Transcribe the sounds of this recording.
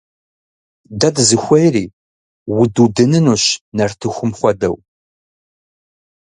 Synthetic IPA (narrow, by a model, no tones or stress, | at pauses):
dɐdzɨxʷɐjriː | wʊdudɨnɨnuːɕnɐrtʰɨxʷʊmχʷɔdɐ̰w